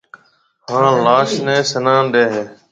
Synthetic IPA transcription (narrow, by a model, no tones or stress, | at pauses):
hãːlaːʃnẽːsənãːnɗeːɦeː